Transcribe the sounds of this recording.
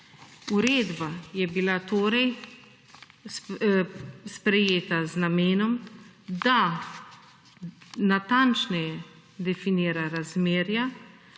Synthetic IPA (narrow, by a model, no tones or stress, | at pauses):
uɾeːd̪bajɛbilat̪oːɾɛj | spɾɛjeːt̪aznameːnɔmd̪a | nat̪ant͡ʃnɛjɛ | d̪ɛfiniːɾaɾazmeːɾja